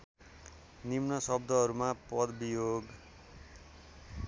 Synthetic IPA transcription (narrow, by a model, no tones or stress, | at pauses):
nimnʌsʌb̚d̪ʱʌɦʌɾumapʌd̪bijoɡ